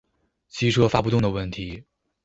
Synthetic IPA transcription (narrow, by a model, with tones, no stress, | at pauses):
t͡ɕʰi˧˥ʈ͡ʂʰɤ˥fa˥pu˥˧t̪ʊ˥˩ŋd̪ə˩wə˥˩nt̪ʰi˧˥